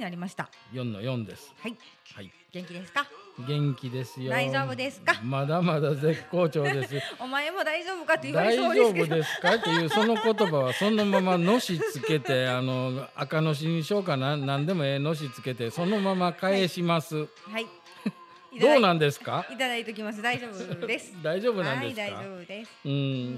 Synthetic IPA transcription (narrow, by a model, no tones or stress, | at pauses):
naɾʲimaɕi̥t̪ajõ̞nːo̰jõ̞nd̪e̞̰sɨ̥hhai | ɡẽŋkʲid̪eskaɡẽ̞ŋkʲid̪e̞sɨjoioːbɯd̪esɨ̥kamad̪amad̪aze̞kːo̞ːt͡ɕo̞ːd̪e̞s̬ɨomaemo̞d̪aiʑoːbɯ̟kat̪ːed̪aid͡ʒo̞ːbɯ̟d̪e̞sɨ̥kat̪ːo̞jɯ̟ːso̞no̞ko̞t̪o̞baβasõ̞no̞mamano̞ɕit͡sɨke̞t̪e̞ano̞akano̞ɕ̬iɲiɕo̞ːk̬ananãnd̪e̞mo̞eno̞ɕ̬it͡sɨ̥ke̞t̪e̞so̞no̞mamakae̞ɕimasɨ | h | d̪o̞ːnãnd̪e̞sɨ̥kait̪ad̪ait̪ekʲimasɨd̪aioːsd̪aiʑo̞ːbɯ̟nãnd̪e̞skaoɯ̟̃ɴ